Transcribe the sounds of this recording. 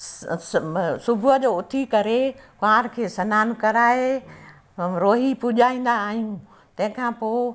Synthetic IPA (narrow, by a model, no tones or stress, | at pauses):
sʊbʱʊəd͡ʑoːʊt̪ʰikɐɾekaːɾkʰeːsɐnaːnkɐɾaːe | ɾoːɦipʊʄaːĩːn̆d̪aːɦijũ | t̪ɐ̃ɦɪ̃kʰãːpoː